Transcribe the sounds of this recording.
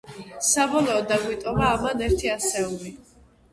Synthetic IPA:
sabɔlˠɔːd̪aɡwit̪ʼɔmaːmanɛɾt̪ʰiasɛuli

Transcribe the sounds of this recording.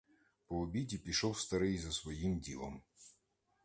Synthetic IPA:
pɔɔbʲidʲipʲiʃɔw̪ˠfst̪ɐɾɨjzɐsvɐjimdʲilˠə̰m

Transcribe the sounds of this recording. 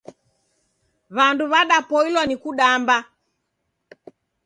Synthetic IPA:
βanduβaɗapɔilwanikuɗamba

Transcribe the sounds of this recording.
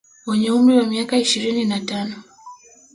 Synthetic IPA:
wɛɲɛum̩ɾiwamiakaiʃiɾininatanɔ

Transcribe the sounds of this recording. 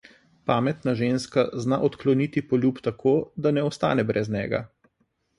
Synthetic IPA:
paːmɛt̪naʒeːnskaznaʔɔt̪klɔnit̪ipɔlʲjuːpt̪akʰoːd̪anɛɔst̪a̰ːnɛbɾʔɛznʲɛ̰ːɡa̰

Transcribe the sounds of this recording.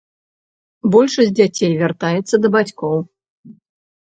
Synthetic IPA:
bɔlʲʂɐs̚ʲd͡zʲat͡sʲejvʲart̪ajɛt̪sːɐd̪ɐbat͡sʲkɔw

